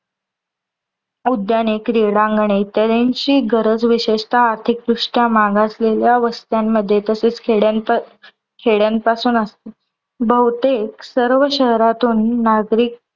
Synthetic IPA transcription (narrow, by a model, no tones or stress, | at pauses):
ud̪janekɾiɽãŋɡɳet̪jad̪eɲt͡ɕiːɡəɾəd͡zʋiɕeʂt̪ʰaːɾt̪ʰik̚d̪ɾuʂʈjamaɡʱasleljaʋəst̪jamːəd̪ʱːjet̪əset͡skɽn | kʰeɽjanpasuːnəst̪e | bəwt̪eksəɾʋəɕəɦɾat̪uːnːaɡɾiːk̚